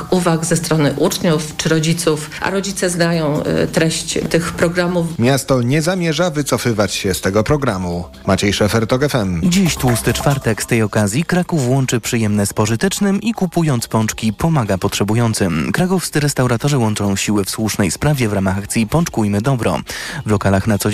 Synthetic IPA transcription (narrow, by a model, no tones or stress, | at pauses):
kuvaɡzɛst̪ɾɔnɘʔut͡ʂɲuft͡ʂɘɾɔd͡ʑit̪suf | ʔa̰ɾɔd͡ʑit̪sɛznajɔ̃w̰̃t̪ɾɛɕt͡ɕt̪ɘxpɾɔɡɾamufmʲjast̪ɔɲɛzamʲjɛʐavɘt̪sɔfɘvat͡ɕɕɛst̪ɛɡɔpɾɔɡɾamu | mat͡ɕejʂɛfɛɾt̪ɔɡɛfɛmd͡ʑiɕt̪wust̪ɘt͡ʂfaɾt̪ɛkst̪ɛjɔkazʲjikɾakufwɔnt͡ʂɘpʂɘjɛmnɛspɔʐɘt̪ɛt͡ʂnɘmikupujɔnt̪spɔnt͡ʂkʲipɔmaɡapɔtʂɛbujɔnt̪sɘmkɾakɔfst̪ɘɾɛst̪awɾat̪ɔʐɘwɔnt͡ʂɔ̃w̃ɕiwɘfswuʂnɛjspɾavʲjɛvɾamaxakt̪sʲjipɔnt͡ʂkujmɘd̪ɔbɾɔ̰vlɔkalaxnat̪sɔ